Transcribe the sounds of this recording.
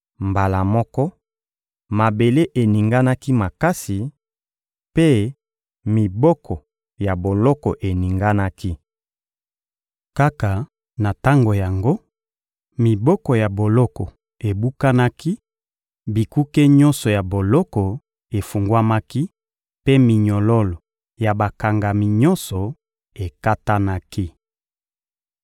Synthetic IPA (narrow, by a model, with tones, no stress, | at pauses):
mba˨la˨mɔ˦kɔ˦ | ma˨be˨le˦ʔe˨ni˨ŋɡa˦na˦ki˦ma˨ka˦si˨ | pe˦ | mi˨bɔ˦kʰɔ˨ | ja˨bo˨lɔ˦kɔ˨ʔe˨ni˨ŋɡa˦na˦ki˦ | ka˦ka˨ | na˨ta˦ŋɡo˨ja˨ŋɡo˦ | mi˨bɔ˦kɔ˨ja˨bo˨lɔ˦kɔ˨ | e˨bu˦ka˦na˦ki˦ | bi˨ku˦ke˦ɲɔ˦nsɔ˨ja˨bo˨lɔ˦kɔ˨ | e˨fu˨ŋɡwa˦ma˦ki˦ | pe˦mi˨ɲɔ˨lɔ˦lɔ˨ | ja˨ba˨ka˨ŋɡa˨mi˨ɲɔ˦nsɔ˨ | e˨ka˦ta˦na˦ki˦